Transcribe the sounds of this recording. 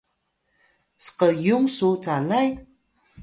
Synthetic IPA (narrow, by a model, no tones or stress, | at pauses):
sə̥qəjuŋsut͡salaj